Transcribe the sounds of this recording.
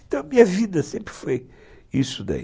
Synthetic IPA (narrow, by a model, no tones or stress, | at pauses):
nt̪ɐ̃w̃ɐmiɲɐviðɐsẽmpɾfoj | isud̪ɐ̰